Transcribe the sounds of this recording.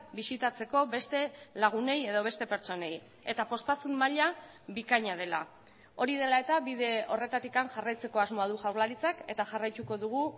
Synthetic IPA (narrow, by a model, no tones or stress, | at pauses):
bisit̪at͡se̞ko̞βe̞st̪e̞laɣ̞une̞je̞ð̞o̞βe̞st̪e̞pe̞ɾt͡so̞ne̞j | e̞t̪apo̞st̪asunːaʎa | βikaɲað̞e̞la̰ | o̞ɾið̞e̞lae̞t̪aβiðe̞o̞re̞t̪at̪ikanxarajt͡se̞ko̞azmo̞aðuʝawɾlaɾit͡sake̞t̪aʝarajt̪uko̞ðuɣ̞u